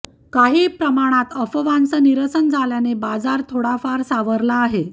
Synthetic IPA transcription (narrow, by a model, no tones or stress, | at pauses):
kaɦiːpɾəmaɽ̃at̪əfəʋansəniɾəsənd͡zʱaljanebad͡zaɾt̪ʰoɽafaɾsaʋəɾlaːɦe